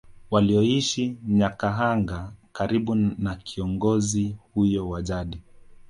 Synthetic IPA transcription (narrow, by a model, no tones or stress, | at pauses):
waliɔiʃiɲakaɦaŋɡakaɾiɓunakʰiɔŋɡɔzihujɔwaʄaɗi